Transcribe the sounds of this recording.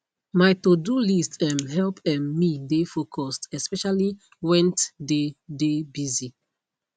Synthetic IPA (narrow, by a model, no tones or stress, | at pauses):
majtodulistɛ̃mɦɛlpɛ̃mːidefokʰɔstɛspɛʃali | wɛ̃ntdedebizi